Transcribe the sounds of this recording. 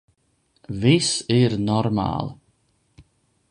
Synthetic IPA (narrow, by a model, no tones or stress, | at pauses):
visiɾnɔɾma̰ːlˠ